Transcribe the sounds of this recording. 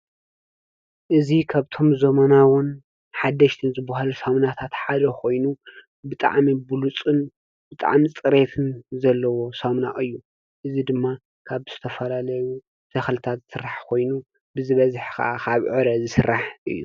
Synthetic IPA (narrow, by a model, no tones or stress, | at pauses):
ʔɨzikʰaβt̪ʰo̞mzɐmɐnawʊn | ħad̪ːɐʃt̪ʰɨnzɨbːahalusɐmnat̪ʰat̪ħad̪ɐkʰo̞jnu | bɨt̪ʼa̰ʕmibulut͡sʼɨn | bɨt̪ʼa̰ʕmit͡sʼɨɾet̪ʰɨnzɐlːɐwo̞sɐmnaʔɨjːu | ʔɨzid̪ɨmːa | kʰaβz̥ɨt̪ʰɐfɐlalɐju | z̥ɐxlɨt̪ʰat̪zsɨɾːaħkʰo̞jnu | bɨzɨβɐzħkɐ̰ʔakʰaβʕɨɾɐzɨsɨɾːaħʔɨ̰jːṵ